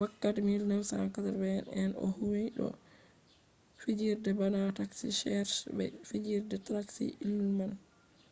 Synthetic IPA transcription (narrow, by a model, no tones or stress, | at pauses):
wakːatɛmilnɛwsa̰nkataɾbɛnɛnɔ̰huwijɗɔ̰ | fid͡ʒiɾdɛbanataksḭʃɛɾʃbɛ̰fid͡ʒiɾdɛtɾaksḭʔilːuman